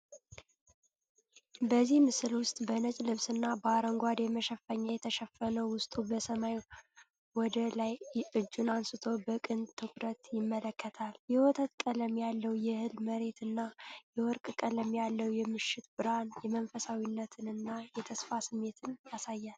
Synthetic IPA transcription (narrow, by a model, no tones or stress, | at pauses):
bəzːihmɨsɨlwʊst̪ʼbənət͡ʃʼlɨβsɨnːabəaɾəŋɡʷad̪jɛməʃəfəɲːajɛt̪ʰəʃəfːənəwwʊst̪ʼubəsəmaj | wɔd̪əlajʔɨd͡ʒːunansɨt̪ʰo̞bəkʼɨnt̪ʰɨkʰʼɾət̪jɪmːələkʰːət̪ʰaljɛwɔt̪ʰət̪kʼələmjalːəwjɛhɨlməɾe̞t̪ɨnːajɛwɔɾkʼkʼələmjalːəwjɛmɨʃːɪt̪bɨɾanjɛmənfəsawinːət̪ʰɨnɨnːajɛt̪ʰəsfasɨmːe̞t̪ʰɨnjasajːal